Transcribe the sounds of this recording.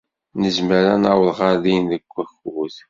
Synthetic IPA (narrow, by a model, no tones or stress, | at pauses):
nəzməɾænawəlʁɑɾðinðəɡʷːæçuθ